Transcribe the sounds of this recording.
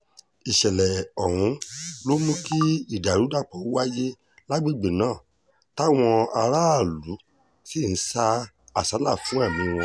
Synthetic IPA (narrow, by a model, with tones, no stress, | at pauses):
i˨ʃɛ˨lɛ˨ɔ˨w̃ũ˧lo˦mũ˦ki˦i˦˨da˨ɾu˨˦da˦˨k͡pɔ˨˦wa˦je˦ | la˦ɡ͡bi˦˨ɡ͡be˨nãː˦˨ | ta˦w̃ɔ̃˧a˧ɾa˦a˦˨lu˨˦ | si˦˨n̩˦sa˦ | a˦˨sa˨˦la˦˨fũ˦a˦˨mĩ˧w̃ɔ̃˧